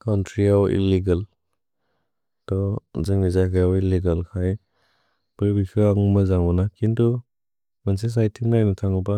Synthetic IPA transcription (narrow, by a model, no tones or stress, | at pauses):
kʰawntʰɾiawḭliɡal | tɔzɯŋnizajkʰajawiliɡalkʰaj | pəɾbisuaŋumazaŋbɔnakʰintu | manses̬ajtʰiŋnajnɯtʰaŋɔpa